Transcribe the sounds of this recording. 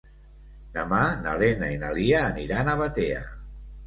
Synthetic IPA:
namanalenainaliaːniɾanaβat̪ea̰

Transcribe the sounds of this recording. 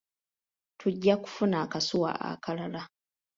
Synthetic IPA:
tʰuɟːaku̥funaːkasuwa̰a̰kʰalala

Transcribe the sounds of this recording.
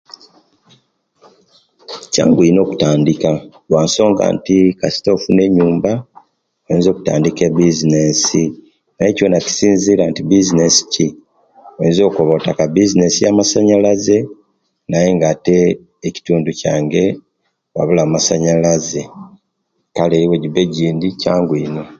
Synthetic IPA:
ca̰ːŋɡwuino̞ːku̥taːndika | lwaːnso̞ːŋɡa̰ːntikasi̥to̞fune̞ɲːuːmba | ojeːnzo̞ːku̥ta̰ːndikebizine̞si | najeco̞ːnaci̥siːnziɾaːntibizine̞si̥ci | oenzo̞ːkoβotakabizine̞sijamasaɲalaze̞ | naje̞ŋɡate̞ː | ci̥tuːnduca̰ːŋɡe̞ | βa̰βulaːmasaɲalaze̞ | kaleiweɟibe̞ɟiːndicaːŋɡwiːno

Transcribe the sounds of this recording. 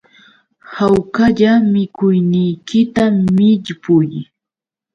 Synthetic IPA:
hawkaʎamɪkʊjnɪjkɪt̪amɪʎpʊj

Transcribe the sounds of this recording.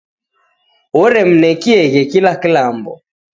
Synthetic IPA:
wɔɾɛm̩nɛkiɛɣɛkilakilambɔ̰

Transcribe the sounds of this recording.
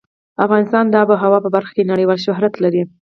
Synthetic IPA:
afɣɑnɪst̪ɑnd̪ɑbəɦawɑpəbaɾxḁkenaɽəjwɑlʃʊɦɾat̪laɾi

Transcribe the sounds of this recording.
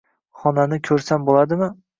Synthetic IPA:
χɒnanɪkʲʰɵɾsambolad̪ɪmɪ

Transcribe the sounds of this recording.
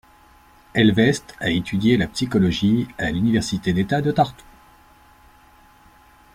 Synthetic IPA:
ɛlvɛst̪aet̪ʰyd̪jelapsikɔlɔʒialynivɛʁsit̪ed̪et̪ad̪ət̪aʁt̪u̥

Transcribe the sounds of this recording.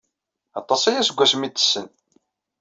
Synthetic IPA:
ɑt̪ˤːɑsæjæsəɡʷːæsmit̪ːə̥sːən

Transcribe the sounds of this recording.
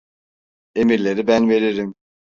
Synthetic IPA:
e̞miɾlʲe̞ɾibænve̞ɾiɾim

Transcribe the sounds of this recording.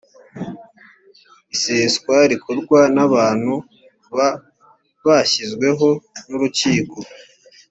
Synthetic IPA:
iseːskwaɾikʰoɾɡwanaβaːn̥hu | βa | βaçizɡwe̞ɦo̞nuɾuciːko

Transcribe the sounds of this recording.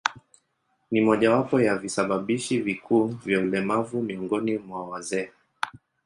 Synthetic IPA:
nimɔʄawapɔjavisaɓaɓiʃivikʰuːvjaulɛmavumiɔŋɡɔnimwawazɛː

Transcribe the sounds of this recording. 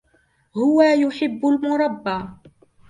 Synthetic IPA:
hʊwajʊħɪbːʊlmʊɾˤɑbːɑː

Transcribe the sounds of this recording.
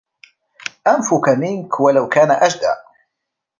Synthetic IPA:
ʔanfʊkamɪnkwalawkaːnaʔaʒd̪a̰ʔ

